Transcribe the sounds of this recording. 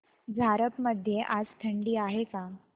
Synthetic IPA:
d͡zʱaɾəpməd̪ʱːjeʔad͡zt̪ʰəɳɖiːaɦeka

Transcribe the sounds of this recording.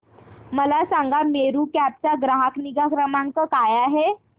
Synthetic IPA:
məlasãŋɡameɾuːkæp̚t͡ɕaɡɾaɦəkniɡakɾəmaŋkəkajaɦe

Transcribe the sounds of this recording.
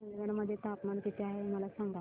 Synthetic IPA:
ənʋənməd̪ʱːjet̪apmankit̪eaɦeməlasaŋɡa

